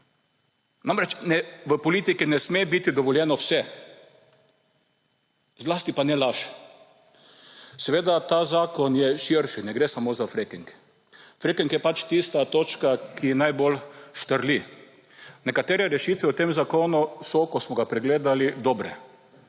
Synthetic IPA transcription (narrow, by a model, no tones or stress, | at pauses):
namɾɛt͡ʃnɛʋəpɔlit̪ikinɛsmebit̪id̪ɔʋɔljɛnɔwsɛ | zlast̪ipanɛlaʃ | sɛʋeːd̪at̪aːzaːkɔnjɛʃiɾʃinɛɡɾeːsamoːzafɾekiŋk | fɾekiŋkjɛpat͡ʃt̪ist̪at̪oːt͡ʃkakijɛnajbolʃt̪əɾli | nɛkat̪eːɾɛɾɛʃiːt̪ʋɛut̪eːmzakoːnusɔkɔsmɔɡapɾɛɡleːd̪alid̪ɔːbɾɛ